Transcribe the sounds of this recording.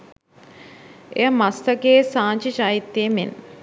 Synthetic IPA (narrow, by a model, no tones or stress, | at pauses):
ejəmast̪əkeːsaːɲt͡ʃit͡ʃajit̪ːeːmḛn